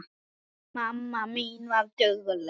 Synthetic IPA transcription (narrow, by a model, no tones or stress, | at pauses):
mamːaminwatəɣəl